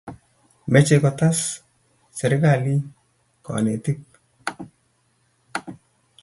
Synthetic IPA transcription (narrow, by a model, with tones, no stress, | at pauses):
mɛ˦t͡ʃe˨kɔ˨ta˦s | sɛ˨ɾɪ˦ka˨li˦ | kɔ̰˨ne˨tɪ˦k̚